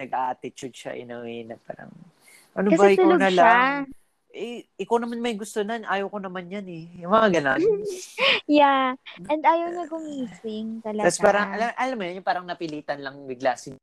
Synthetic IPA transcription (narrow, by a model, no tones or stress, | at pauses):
nɐɡ̚ʔaːʔat̪ɪt͡ʃʊd̪̚ʃa̰ʔɪ̰noɛnɐpa̰ːɾɐ̰ŋ | ʔɐnoɐbaʔɪanɐla | ʔɛʔɪkawnɐmanmɐjɡʊst̪onɐnʔaːjowkonɐmanjɐnɛjʊŋmɐŋaɡɐnon | jaɛnd̪aːjɐwɲɐɡʊmisɪŋt̪ɐlɐt̪aspaːɾɐŋɐlaʔɐlɐmːojanjʊpaːɾɐŋnɐpɪliːt̪ɐnlɐŋbɪɡlaːsɪd̪